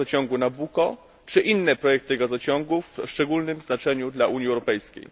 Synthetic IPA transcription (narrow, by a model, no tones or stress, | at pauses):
ɔt͡ɕɔŋɡunabukɔ | t͡ʂɘʔinːɛpɾɔjɛk̚t̪ɘɡazɔt͡ɕɔ̃ŋɡufʂt͡ʂɛɡulnɘmznat͡ʂɛɲud̪laʔuɲiɛwɾɔpɛjskʲḛj